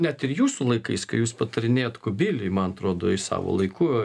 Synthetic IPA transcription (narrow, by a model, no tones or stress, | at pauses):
nʲɛt̪ɪɾjuːsʊlˠɐɪkɐɪskɐjuːspɐt̪ɐɾʲɪnʲeːjoːt̪kʊbʲilʲɪjmɐnɐt̪ɾoːd̪o̰ːɪsɑ̰ːʋo̰ːlˠɐɪku